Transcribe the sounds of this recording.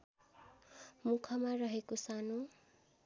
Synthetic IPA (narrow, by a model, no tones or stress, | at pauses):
mukʰʌmarʌɦekosano